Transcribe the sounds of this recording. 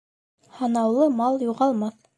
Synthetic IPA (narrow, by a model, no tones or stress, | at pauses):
hɑnɑwlˠɤmɑlˠjuʁɑlˠmɑθ